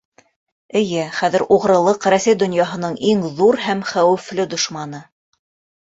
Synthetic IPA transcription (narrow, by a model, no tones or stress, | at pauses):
ɘ̆jɘχæðɘ̆ɾʔuʁɾɤ̆lˠɤqɾæsæjd̪ŏnjɑɦɤ̆nɤɴiŋðuɾɦæmχæwɘ̆flɘd̪ŏʃmɑnɤ